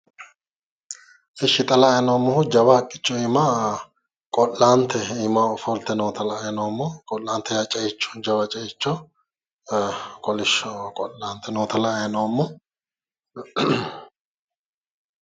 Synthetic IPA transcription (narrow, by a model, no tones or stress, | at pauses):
ʔɪʃːɪt̪ʼɐlajnoːmːɔhʊd͡ʒɐwɐɐkʼːɪ̥t͡ʃːɔima | kʼɔlːaːnt̪ʰːɛimɐfɔlt̪ɛnoːt̪ʰɐlɐɐjnowmːɔkʼɔlːaːnt̪ʰɛjat͡ʃʼɐjɪt͡ʃːɔ̥d͡ʒɐwɐt͡ʃʼɐjɪt͡ʃːɔ | kʼɔlɪʃɔkʼɔlːaːnt̪ʰːɛnoːt̪ʰɐlɐɐjnɐwmːɔ